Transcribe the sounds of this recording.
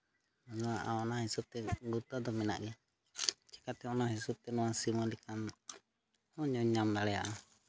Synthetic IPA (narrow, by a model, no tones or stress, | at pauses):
ɔd͡ʒɔaʔaɔnahisɔb̚t̪ɛɡut̪ad̪ɔmɛna̰ʔɡɛ | t͡ʃɛ̥kat̪ɛɔnaɦisɔb̚t̪ɛnɔwasimɔlikʰan | ɔɲɔɲːamlaɽɛja̰ʔa